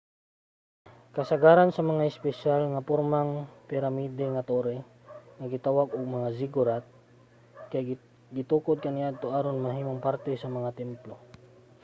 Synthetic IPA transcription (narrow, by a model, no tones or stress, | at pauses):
kɐsɐɡaɾansɐmɐŋaɪspɛʃalŋapoɾmaŋpɪɾamiːd̪ɛŋat̪oɾɛ | ŋɐɡɪt̪awaɡʊɡ̚mɐŋasɪɡʊɾat̪̚ | kaj | ɡɪt̪uːkod̪̚kɐnɪjaʔad̪̚t̪oʔaːɾonmɐɦiːmoŋpaɾt̪ɛsɐmɐŋat̪ɛmplo